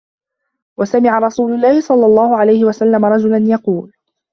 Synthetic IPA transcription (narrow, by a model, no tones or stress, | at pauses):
wasamɪʕaɾˤɑsuːlʊlːaːhɪsˤɑlːɑlˤːɑːhʊʕalajhɪwasalːamaɾˤɑd͡ʒʊlanjɑquːl